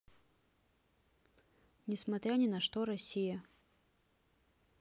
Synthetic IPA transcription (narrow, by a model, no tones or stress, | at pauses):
nʲɪsmɐt̪ɾʲanʲɪnɐʂt̪oɾɐsʲijɐ